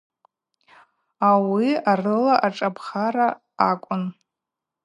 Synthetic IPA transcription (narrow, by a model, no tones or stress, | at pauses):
awiarɨlaʔaʈ͡ʂʼapʰχaɾaː | kʷʼʊn